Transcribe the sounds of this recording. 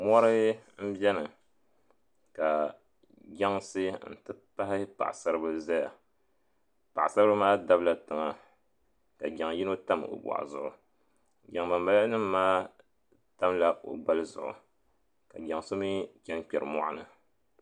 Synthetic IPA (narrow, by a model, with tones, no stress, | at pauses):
mɔ˦ɾɨ˦m̩˦bɛ˦nɨ˨ | ka˨ | ɡa˦ŋsɨ˦n̩˨tɨ˦pa˦hɪ˦pa̰˨ʔsa˦ɾɨ˦bɨ˦za˦ja˨ | pa˨ʔsa˦ɾɨ˦ba˦maː˦da˦bla˦tɨ˨ŋa˨ | ka˨ɡa˨ŋji˦no˦ta˦mo̰˨ba̰˨ʔa̰˨zʊ˦˨ʔʊ˨ | ɡʲa˨ŋba˨mba˨˦a˦nɨ˦mːaː˦ | ta˦mla˦ʔo̰˨ba˦lɨ˦zʊ̰˨ʔʊ̰˨ | ka˨ɡa˨ŋso˦mi˦kʲɛ˦nk͡pʲɛ˨ɾɨ˨mɔ̰˦ʔa̰˦nɨ˨